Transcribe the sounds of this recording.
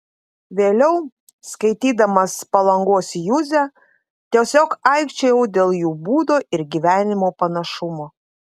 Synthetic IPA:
ʋʲeːlʲɛʊ | skɐɪt̪ʲiːd̪ɐmɐspɐlˠɐŋɡuɔsʲjuzʲæ | t̪ʲiɛsʲoːkɐɪkʃʲt͡ʃʲɛjɛʊd̪ʲeːlˠjuːbuːd̪oːʔɪɾɡʲiʋʲæːnʲɪmoːpɐnɐʃʊmoː

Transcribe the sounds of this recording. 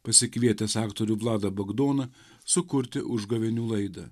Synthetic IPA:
pɐsʲɪkʋʲiɛt̪ʲɛsɑːkt̪oːɾʲuːʋlˠɑːd̪ɐbɐɡd̪oːnɐ | sʊkʊɾʲt̪ʲɪʔʊʒɡɐʋʲɛnʲuːlˠɐɪd̪ɐ̰

